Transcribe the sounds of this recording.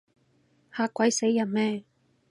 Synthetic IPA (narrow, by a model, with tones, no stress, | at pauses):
haː˧kːʷɐ˨˥jse˨˥jːɐ˨˩nmɛː˥˩